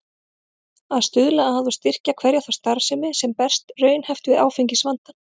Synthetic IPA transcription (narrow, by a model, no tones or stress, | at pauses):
aðst̪ʏðlaahaðʏst̪ɪr̥cakʰvɛɾjaθḁst̪aɾ̥sɪmɪsɛmpɛr̥st̪rœːɥnhɛft̪ʏɪða̰ːwfeɲcɪsvant̪a